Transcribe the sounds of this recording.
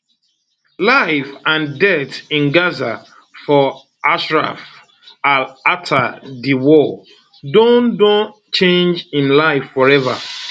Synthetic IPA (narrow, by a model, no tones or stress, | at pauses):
laɪfãndɛtĩnɡaza | fɔ | ʔaʃɹa̰f | alatʰadiwɔ | dõndɔ̃ | t͡ʃẽnd͡ʒĩnlaɪfːɔɹɛva̰